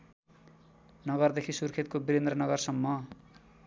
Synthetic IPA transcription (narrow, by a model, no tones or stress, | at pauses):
nʌɡʌrd̪ekʰisurkʰet̪̚kobiɾend̪rʌnʌɡʌrsʌmːʌ